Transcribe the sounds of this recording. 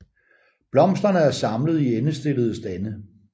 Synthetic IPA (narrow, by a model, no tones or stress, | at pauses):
b̥lɒ̽m̰sd̥ɐnəæɐsɑ̈mləð̞̩ˠienəsd̥e̝ləð̞̩ˠəsd̥ænə